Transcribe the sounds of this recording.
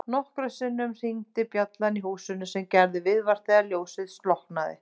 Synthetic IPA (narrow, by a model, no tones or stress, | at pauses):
nɔhkɾʏsɪnːʏmr̥iŋt̪ɪpjat̪laniɦuːsʏnːʏsɛmcɛɾðɪvɪðvaɾ̥θθɛaljoːwsɪðslɔhknaðɪ̰